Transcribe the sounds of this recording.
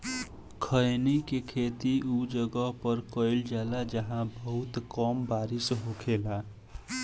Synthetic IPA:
kʰəjnikekʰet̪iud͡ʒəɡəɦpəɾkəɪld͡ʒalad͡ʒəɦãbəɦut̪kɔmbaɾisɦokʰela

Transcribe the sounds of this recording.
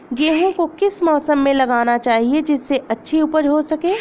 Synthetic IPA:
ɡeːɦõkokɪsmɔːsəmːẽlɐɡaːnat͡ʃaːɦied͡ʒɪsːeɐtːʃʰiupəɾɦosɐkẽː

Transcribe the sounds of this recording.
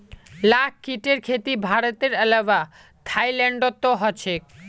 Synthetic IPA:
lak̚kiʈeɾkʰet̪ibʱaɾot̪eɾɛlawa | t̪ʰajlɛɳɖot̪ːoɦɔt͡ɕʰe

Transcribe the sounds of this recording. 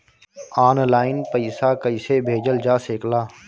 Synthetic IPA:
aːnlaːɪnpəɪsakəɪsebʱeːd͡ʒəld͡ʒaːseːklaː

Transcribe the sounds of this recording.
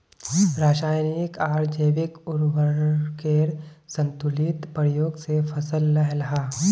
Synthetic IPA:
ɾaːʃaːjnikaːɾd͡ʒəːʋɪkʊɾʋəkeːɾsə̃nt̪ʊlit̪pɾijoːɡsepʰɐsəlːɐɦlɐɦaː

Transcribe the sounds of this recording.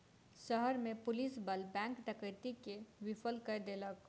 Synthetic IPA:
ʃəɦəɾmẽpʊlisbəlbɛ̃ːŋkʈəkəɪt̪ikewɪpʰəlkəd̪eːlək

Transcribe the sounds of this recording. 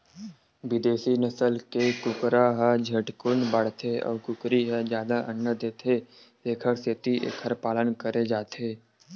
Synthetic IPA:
ʋɪd̪eːsinəsəlkekʊkɾaɦəd͡ʒʱəʈkʊnbəɽ̤t̪ʰeɔ̰ːɾkʊkɾiɦɛd͡ʒjaːd̪aʔənːəd̪eːt̪ʰe | seːkʰəɾset̪iʔḛːkʰəɾpaːlənkəɾed͡ʒaːt̪ʰeː

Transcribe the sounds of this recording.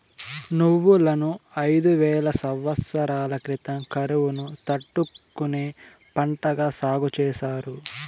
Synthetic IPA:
nuʋːulɐnuɐjd̪uʋɛːlɐsɐwːɐsːɐɾaːlɐkɾit̪ɐmkɐɾuʋunut̪ɐʈːukːuneː | pɐɳʈɐɡaːsaːɡut͡ʃɛːʃaːɾu

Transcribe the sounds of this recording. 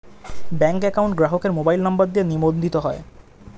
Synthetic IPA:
bɛŋkɛkawɳʈɡɾaɦokeɾmobajlnambaɾd̪ienimond̪ʱit̪oɦɔe

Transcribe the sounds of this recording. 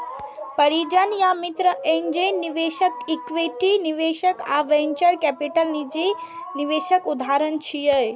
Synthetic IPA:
pɐɾid͡ʒanjamit̪ɾəʔẽɲd͡ʑenːiʋeʃəkikʋeʈiniʋeʃəka̰ʋeɲt͡ʃəɾkɛpiʈəlnid͡ʑiniʋeʃəkud̪ʱaɾənt͡ʃʰijəj

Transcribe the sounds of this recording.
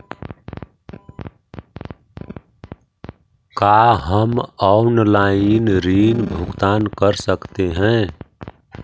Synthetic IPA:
kaɦəmɔʊnlainɾiːnbʱʊɡt̪aːnkəɾsəkt̪eɦɛ̃

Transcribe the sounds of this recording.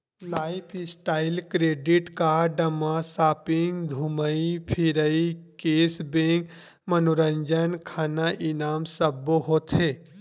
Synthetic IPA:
laːɪpʰɪsʈaːɪlkɾeːɖɪʈkaɖəmasaːpɪ̃ŋɡd̪ʱuməipʰiɾəikeːsbẽŋk | mənoɾə̃ɲd͡ʒənkʰaːnaʔɪnaːmsəbːoɦoːt̪ʰɦeː

